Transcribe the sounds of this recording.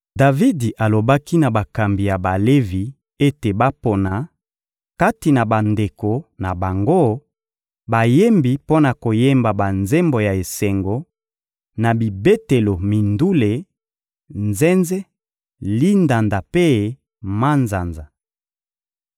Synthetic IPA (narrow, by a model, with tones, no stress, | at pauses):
da˨vi˦di˨ʔa˨lo˨ba˦ki˦na˨ba˨ka˨mbi˨ja˨ba˨le˦vi˨ | e˦te˨ba˦po˨na˨ | ka˦ti˨na˨ba˨nde˨ko˨na˨ba˨ŋɡo˦ | ba˨je˦mbi˨po˦na˨ko˨je˦mba˨ba˨nze˦mbo˨ja˨e˨se˨ŋɡo˨ | na˨bi˨be˦te˨lo˨mi˨ndu˦le˨ | nzɛ˦nze˦ | li˦nda˨nda˨pe˦ | ma˦nza˨nza˨